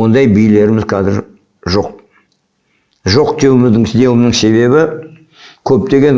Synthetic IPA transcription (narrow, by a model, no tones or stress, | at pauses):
ond̪ɑjbijle̞ɾɪmɪzqʰɑzɪɾ | ʒo̞q̚ | ʒo̞qt̪ʰewɪmɪzd̪ɪŋd̪e̞wɪmnɪŋse̞βe̞βɪ | kʲʰɵp̚t̪e̞ɡʲe̞n